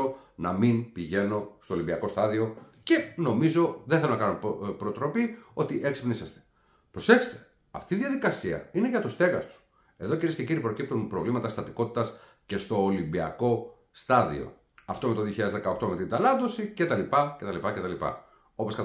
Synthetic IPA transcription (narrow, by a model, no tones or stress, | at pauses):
onɐminpiʝe̞no̞st̪o̞ːlimbiɐko̞st̪ɐðio̞ce̞no̞mizo̞ðθelonɐkɐnonpɾot̪ɾo̞pio̞t̪iʔe̞ksi̥pnisɐst̪e̞̥ | pɾo̞se̞çse̥st̪e | ɐ̰ft̪iːðiɐðikɐsiɐ̰ine̞ʝɐt̪ust̪e̞ɣɐst̪u̥ | e̞ðo̞ciɾiesceciɾipɾocip̚t̪unpɾo̞vlimɐt̪ɐst̪ɐt̪iko̞t̪i̥t̪ɐs | ce̞st̪o̞ːlimbiɐ̰ko̞ | st̪ɐðḭo̞̰ | ɐft̪omet̪oðioçiʎɐðezðekɐokt̪o̞met̪ind̪ɐlɐnd̪o̞sicet̪ɐlipɐcet̪ɐlipɐcet̪ɐlipɐ̰ | o̞po̞skɐ